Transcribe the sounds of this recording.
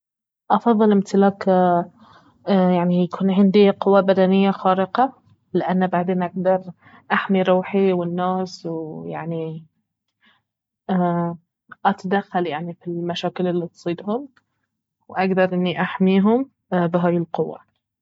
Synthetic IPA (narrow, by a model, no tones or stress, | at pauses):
ʔɑfɑðˤːɨlʔɪmt̪ɪlaːk | jaʕnijakʰuːnʕɪnd̪iqʊwːabad̪anɪjːaxaːɾɪqɑ | lɪʔanːbaʕd̪eːnʔaɡ̚d̪ɑɾˤ | ʔaħmiɾˤuːħiwɪnːaːswja̰ʕni | ʔat̪ad̪axːaljaʕnifilmaʃaːkɪlɪlːit̪sˤiːd̪hʊm | wʔaɡd̪ɑɾˤʔɪnːiʔaħmiːɦʊm | bɪɦaːjɪlqʊwːa̰